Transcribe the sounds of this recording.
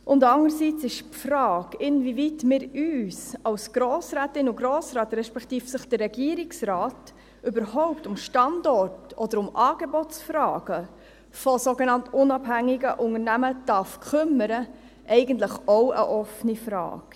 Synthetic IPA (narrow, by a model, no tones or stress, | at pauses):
ʔʊndɑŋəɾsiːt͡sɪʃpfɾɑːɡɪnvivitmɪɾyːsɑwsɡ̥ɾoːsɾæːtɪnʊɡɾoːsɾɑːt̪ɾɛʃpɛktiːfsəχd̥ərːɛɡiːɾɪksrɑːt | ʔybəɾɦɔʊp̚tʊmʃtɑndɔrtɔd̥əɾʊmʔɑːɡ̥ebɔtsfɾɑːɡ̥ə | fɔsoɡenɑntʊnɑbhæŋːɪɡə̰ʔʊŋəɾnæməd̥ɑfkʰʏməɾə | ʔɛɪɡəntləχɔwʔə̰ʔɔfənifɾɑ̰ːɡ̥